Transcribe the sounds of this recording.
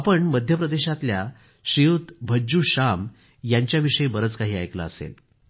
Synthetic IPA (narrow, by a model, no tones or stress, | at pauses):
apəɳməd̪ʱjəpɾəd̪eɕat̪lja | ɕijut̪bʱəd͡ʑuːɕam | jaɲt͡ɕjaʋiʂəjbəɾət͡skaɦiːajkla̰əsḛl